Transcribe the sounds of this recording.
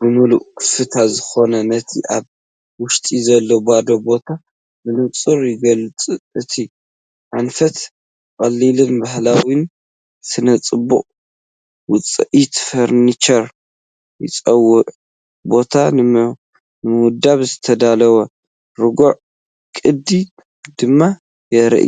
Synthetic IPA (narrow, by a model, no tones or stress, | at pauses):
bɨmɨluʔkʰɨfɨt̪ʰazɨxo̞nɐnɐt̪ʰiʔaβ | wʊʃt̪ʼizɐlːobad̪o̞bo̞t̪ʰa | mɨnɨt͡sʼɨɾjɪɡɐlɨt͡sʼuʔɨt̪ʰi | ʕanfɐt̪ | kʼɐlːilɨnbahlawin | sɨnɐt͡sʼɨbːuχʼ | wʊt͡sʼɐʔit̪fɐɾnit͡ʃɐɾ | jɪt͡sʼɐwːʊʔ | bo̞t̪ʰanɨm | nɨmɨwʊd̪aβzɨt̪ʰɐd̪alɐwɐ | ɾɨɡoʕ | kʼɨd̪i | d̪ɨmːa | jɛɾɐ̰ʔ